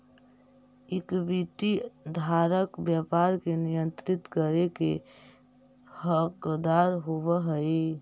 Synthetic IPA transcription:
ɪkbiʈid̪ʱaːɾəkbjapaɾkenijənt̪ɾɪt̪kəɾeke | həkd̪aɾɦoʋəɦəi

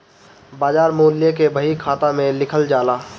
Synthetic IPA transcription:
baːd͡ʒaːɾmoːljekebəɦikʰaːt̪ãmẽlɪkʰəld͡ʒaːlaː

